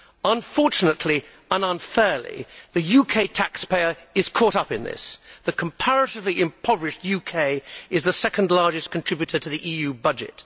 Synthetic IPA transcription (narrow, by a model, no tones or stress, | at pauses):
ə̃nfɔɹt͡ʃɨnətʰˡli | ə̃nə̃nfɛɹlˠḭðɨjʉkʰeɪtʰækspʰeɪə˞ɨz̥kʰɔˑɾʌpɨ̃nðɪ̰sðɨkʰə̃mpʰæɹɨɾɨvliʔɪ̃mpʰʌvɹɨʃtjʉkʰeɪɨzðəsɛkə̃ndˡlɑɹd͡ʒɨskʰntʰɹ̥ɪbjʉɾə˞ɾɨðiʔiːjʉbʌd͡ʒɪ̰t̚